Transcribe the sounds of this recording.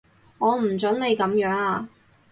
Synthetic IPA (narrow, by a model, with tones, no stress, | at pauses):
ŋɔː˨˧m̩˨˩t͡sɵ˨˥nle˨˧jkɐ˨˥mjœː˨˥ŋaː˧